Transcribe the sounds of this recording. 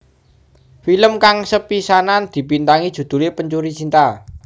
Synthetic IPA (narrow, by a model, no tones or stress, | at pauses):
filəmkaŋsəpisanand̪̥i̤pint̪aŋid̥ʒ̥ṳd̪̥ṳlepəɲt͡ʃuɾit͡ʃint̪a